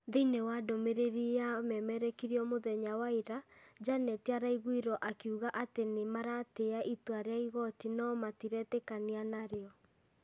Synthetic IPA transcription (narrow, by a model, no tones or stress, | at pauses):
ðinewadomeɾeɾiamɛmɛɾɛkiɾjɔmoðɛɲawaiɾad͡ʒanɛtiaɾaiɣwiɾɔʔakiuɣaʔatenemaɾateaʔitwaɾeaiɣɔtinɔmatiɾɛtɛkanianaɾeɔ